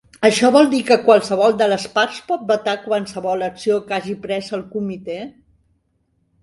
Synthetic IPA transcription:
əʃɔβɔlˠd̪ikəkwalˠsəβ̞ɔlˠd̪ələspaɾspɔt̪̚bət̪akwansəβɔləksiokaʒipɾɛzəlˠkumit̪e

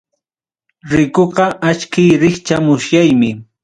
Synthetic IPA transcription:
ɾɪkoɢɑʔat͡ʃkɪjɾɪχt͡ʃamʊsjajmɪ

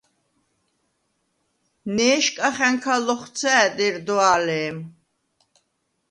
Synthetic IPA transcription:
nɛːʃkʼaχɛŋkʰalɔχt̪sʰɛːd̪iɾd̪ɔalɛːm

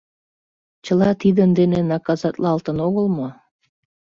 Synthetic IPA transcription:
t͡ɕəlɑt̪id̪ənd̪enenɑkɑzɑt̪lɑlt̪ənoɣəlmo

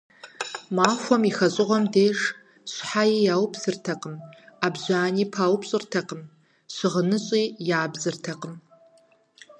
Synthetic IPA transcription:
maːxʷɔmixɐɕʼɪʁʷɐmdeːʂ | ɕʷħajijaːwpʰsɨrtʰɐqʼəmabʑʷaːniːpʰaːwpɕʼɪrtʰɐqəm | ɕɨʁənɨɕʼiːjaːbzɨrtʰɐqəm

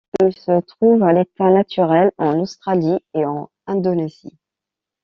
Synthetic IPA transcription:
ilsət̪χuvalet̪anat̪ʰyʁɛlɑ̃nost̪χalieɑ̃ | ɛ̃d̪ɔnezḭ

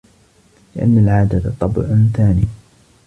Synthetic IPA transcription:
lɪʔa̰nːalʕaːd̪at̪t̪ˤːɑbʊ̰ʕʊnθaːniː

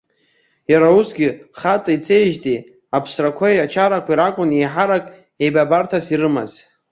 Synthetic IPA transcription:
jaɾausɡʲɪχat͡sʼait͡sʰejʒtʼi | apʰsrakʷʰajat͡ʃʰaɾakʷʰiɾakʷʼʊnejħaɾakʼ | ejbabartʰasiɾɨma̰z

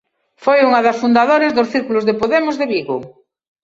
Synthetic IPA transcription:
fojuŋɐðɐsfund̪aðoɾezðosθiɾkulʊzðepoðemʊzðeβiɣo

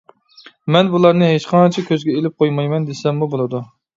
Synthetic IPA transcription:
mɛnbulˠɑɾnɨɦet͡ʃqʰɑt͡ʃʰɛkʲʰøzɡʲɛelɪp̚qʰojmɑjmɛnd̪esɛmːubolˠɨd̪u

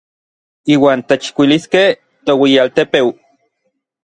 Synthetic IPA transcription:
iːwaːnt̪et͡ʃkʷiliskeh | t̪owijalt̪epew

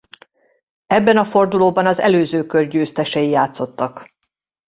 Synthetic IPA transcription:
ɛbːɛnɒfo̞rd̪uloːbɒnɒzɛ̰løːzøːkørɟøːst̪ɛʃɛjijaːt̪so̞t̪ːɒk

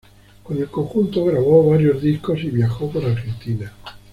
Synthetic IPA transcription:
konelkoŋxunt̪oɣɾaβoβaɾjozðiskosiβjaxopoɾaɾxent̪ina

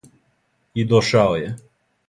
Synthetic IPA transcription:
id̪ɔʃawjɛ

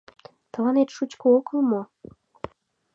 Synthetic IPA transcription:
t̪ə̆lɑnet̪ʃut͡ɕkookəlmo

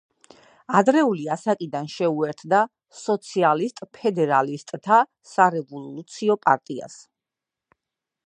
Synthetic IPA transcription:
ad̪ɾɛuliasakʼid̪anʃɛuɛɾt̪ʰd̪a | sɔt̪sʰialist̪ʼpʰɛd̪ɛɾalist̪ʼt̪ʰa | saɾɛvɔlˠut̪sʰiɔpʼaɾt̪ʼia̰s

